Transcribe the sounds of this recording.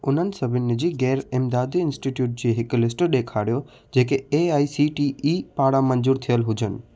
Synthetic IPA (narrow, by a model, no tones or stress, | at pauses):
ʊn̤ənɪ̆sɐbʱɪnɪd͡ʑiːɡɛːɾɪmd̪aːd̪iɪnsʈiʈjuːʈ̚d͡ʑeːɦɪklɪsʈɗeːkʰaːɽijo | d͡ʑeːkeeaːisiʈiʔipaːɽamənd͡ʒuːɾt̪ʰijəlɦʊd͡ʑənɪ̆